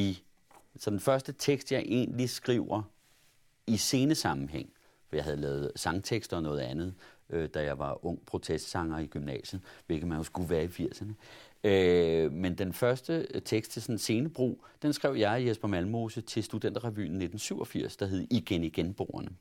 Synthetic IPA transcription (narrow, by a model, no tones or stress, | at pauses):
i | sɒ̽d̥enfɶɐsd̥ət͡sʰeɡ̥sd̥jɑ̈ɪʔe̝̰ːnlisɡ̥ʁiʊ̰ɐ | ise̝ːnəsɑ̈mn̩ɦeŋ̰ | fɒ̽jɑ̈ɦhæðˠlɛ̰ːð̞̩ˠsɑ̈ŋt͡sʰeɡ̥sd̥ɒ̽nɔ̽ːð̞̩ˠænð̞̩ˠʔød̥æjɑ̈ɪʋɑ̈ɔ̽ŋ̰pʰʁo̝t͡sʰesd̥sɑ̈ŋɐiɡ̥ymnɛ̰ːɕəð̩ˠʋe̝lɡ̥ð̩mænhosɡ̥uʋæːɐifiɐ̰sɐnəømend̥enfɶɐsd̥ət͡sʰeɡ̥sd̥t͡sʰe̝sɒ̽nnse̝ːnəb̥ʁo̝̰ːd̥ensɡ̥ʁɛ̰ʊ̰jɑ̈ɪjesb̥ɐmælmo̝sət͡sʰe̝lsd̥ud̥en̰d̥ʁaʋy̰ːn̩ːe̝d̥n̩syʊɒ̽fiɐ̰sd̥ɑ̈ɦe̝ð̩ˠiɡ̥eniɡ̥enb̥o̝̰ːɐnə